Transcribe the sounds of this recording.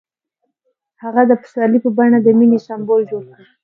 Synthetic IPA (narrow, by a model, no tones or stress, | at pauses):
haɣad̪əpə̥sɑlipəbaɳad̪əminesambold͡ʒoɽkɽi